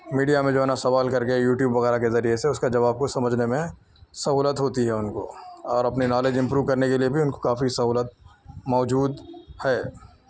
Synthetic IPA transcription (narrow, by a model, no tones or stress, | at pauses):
miːɖijamẽd͡ʒoɦɛnasɐʋaːlkɐɾkejuːʈjuːbʋɐɣɛːɾakezɐɾieseʊskad͡ʒɐʋaːb̚kosɐməd͡ʒʱnemẽ | sɐɦuːlət̪ɦoːt̪iɦɛʊnko̰ɔːɾɐpninaːleːd͡ʒɪ̃mpɾuːʋkɐɾnekeliebʱiʊnko̥kaːfisɐɦuːlət̪̚mɔːd͡ʒuːd̪hɛː